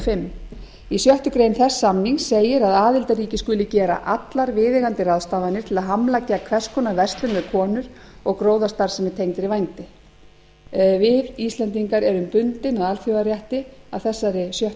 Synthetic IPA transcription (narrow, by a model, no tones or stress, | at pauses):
fɪmː | isjœht̪ʏkɾejnθɛsːamniŋsejɪɾaðaːðɪlt̪aɾiːcɪskʏːlɪcɛːɾa̰ʔat̪laɾvɪːðɪɣant̪ɪraðst̪aːvanɪɾt̪ʰɪlaðɦamlacːakʰvɛr̥skʰɔnavɛrst̪lʏnɛðkʰɔːnʏɾ̥ɔɣkɾoːwðast̪aɾ̥sɛmɪt̪ʰejŋt̪ɪɾivajnt̪ɪ | vɪðist̪lɛnt̪iŋkaɾɛɾʏmpʏnt̪ɪnaɣalθjowaɾjaht̪ɪaðθɛsːaɾɪsjœht̪